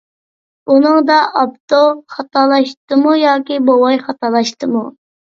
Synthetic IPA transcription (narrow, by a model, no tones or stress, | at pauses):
unɨŋd̪ɑɑpt̪ʰoχɑt̪ʰɑlˠɑʃt̪ɨmujɑːkʲibowɑjχɑt̪ɑlˠɑʃt̪ɨmu